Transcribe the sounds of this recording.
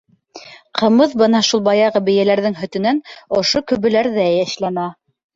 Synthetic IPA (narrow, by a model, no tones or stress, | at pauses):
qɤ̆mɤðbɤnɑʃulˠbɑjɑʁɤbɘ̆jælæɾðɘŋɦɵ̆t̪ɵ̆nænŏʃokɵ̆βɘ̆læɾðæjæʃlænɑ